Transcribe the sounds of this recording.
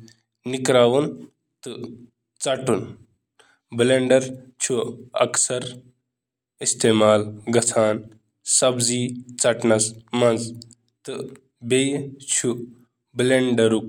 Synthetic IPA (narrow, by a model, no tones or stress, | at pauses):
nikɾaːʋun | t̪ɨ | t͡sɐʈun | bleɳɖɐɾt͡ʃʰuɐ̰ksɐɾ | ist̪eːmaːlɡɐt͡sʰaːn | sɐbziːt͡sɐʈnɐsmɐnz | t̪ɨ | bejt͡ʃʰu | bleɳɖɐɾuk